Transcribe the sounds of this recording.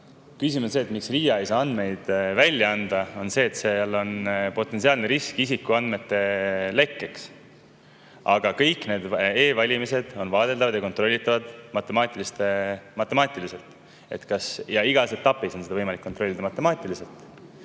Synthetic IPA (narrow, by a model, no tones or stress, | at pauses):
kys̬imense̞ːt̪miksriːjɑejsɑːɑnd̪̥me̞jd̪̥vælʲːjɑɑnd̪̥ɑo̞nse̞ːt̪se̞jɑlːo̞npo̞t̪ːˑe̞nsiɑːlneɾiskisikːuɑnd̪̥me̞t̪ːe̞le̞kːe̞ks | ɑɡ̥ɑkɤjkne̞ːd̪e̞ːvɑlʲimise̞d̪̥o̞nvɑːd̪̥e̞ld̪ɑvɑd̪̥jɑkot̪ɾro̞lːit̪ːˑɑvɑd̪̥mɑt̪ːˑemɑːt̪ʲˑilist̪emɑt̪ːˑe̞mɑːt̪ʲˑilise̞lt̪ˑ | e̞̰t̪kɑsjɑiɡ̥ɑse̞t̪ːɑpːiso̞nseɑvɤjmɑlikːot̪ro̞lʲːid̪ɑmɑt̪ːˑe̞mɑːt̪ʲˑilise̞lt̪ˑ